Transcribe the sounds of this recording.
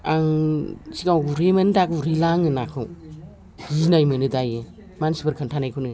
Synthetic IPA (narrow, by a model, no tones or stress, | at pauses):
aŋsiɡawɡuɾemɐnɯdakuɾilaŋɯnakʰɯw | inajmɯnɯdajɯ | mansibɐɾkʰɐntʰanajkʰunɯ